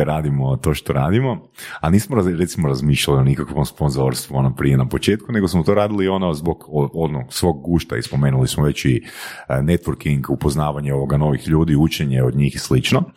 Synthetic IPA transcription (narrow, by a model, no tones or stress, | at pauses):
ɾaːd̪imot̪o̞ːʃt̪o̞ɾaːd̪imo̞ | aniːsmoaɾe̞t̪simoɾazmiːʃʎalionikakʋo̞mspo̞nzoɾst̪ʋuonopɾijenapo̞t͡ʃe̞ːt̪̚kune̞ɡo̞smot̪o̞ɾaːd̪ilio̞nozbo̞ɡoonosʋo̞ɡ̚ɡuːʃt̪a̰ḭspo̞me̞ːnulismoʋe̞t͡ɕine̞t̪ʋoɾkiŋɡupoznaːʋaɲeo̞ʋoɡano̞ʋixʎuːd̪iut͡ʃeɲeo̞d̪ɲiːxslit͡ʃno